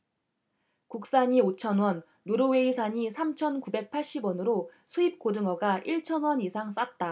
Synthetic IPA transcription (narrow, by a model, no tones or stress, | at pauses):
kuk̚s͈aɲiot͡ɕʰʌnwʌnːoɾɯwe̞isʰaɲisʰamt͡ɕʰʌnkubek̚pʰaɭɕ͈ibwʌnɯɾosʰuip̚k͈odɯŋʌɡaʔiɭt͡ɕʰʌnwʌnisʰaŋs͈at̚t͈a